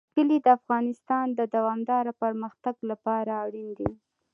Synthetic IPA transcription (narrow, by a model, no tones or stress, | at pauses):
kəlid̪əafɣɑnɪst̪ɑnd̪əd̪awɑmd̪ɑɾapəɾməxt̪aɡlapɑɾaːɽind̪i